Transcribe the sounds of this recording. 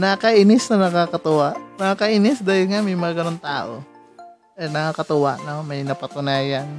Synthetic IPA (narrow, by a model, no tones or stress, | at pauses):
nɐkɐʔɪnɪsnɐnɐkaːkɐt̪ʊwaʔnɐakɐʔɪnɪsd̪aːhɪlŋamɐjmɐɡaɡɐnoŋt̪aːʔo̰ | ɛnɐkakɐt̪ʊwaʔnomɐjnɐpɐt̪ʊnaːjan